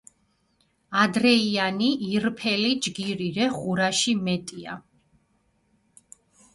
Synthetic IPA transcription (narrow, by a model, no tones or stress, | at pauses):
ad̪ɾɛianiʔiɾpʰɛlid͡ʒɡiɾiɾɛχuɾaʃimɛt̪ʼia̰